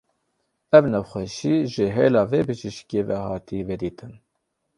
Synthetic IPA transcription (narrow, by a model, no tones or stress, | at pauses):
ɛvnɛwxʷɛʃiːʒɪɦeːlɑːveːbɨʒiʃkeːvɛhɑːt̪ʰiːved̪iːt̪ʰɨn